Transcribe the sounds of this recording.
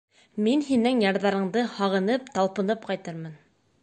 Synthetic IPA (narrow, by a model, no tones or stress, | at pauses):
minɦinɘŋjɑɾðɑɾɤ̆ɴd̪ɤhɑʁɤ̆nɤpt̪ɑlˠpɤ̆nɤp̚qɑjt̪ɤɾmɤn